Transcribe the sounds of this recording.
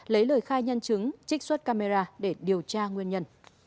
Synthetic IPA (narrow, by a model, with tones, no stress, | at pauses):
lə˨˦jləː˧˩jxaː˧jɲə˧nt͡ɕɨ˨˦ŋt͡ɕï˦˥k̚swə˦˥t̚kaː˧me˧zaː˧ɗe˧˩ɗi˨˩əwt͡ɕaː˧ŋwi˧ənɲə˧n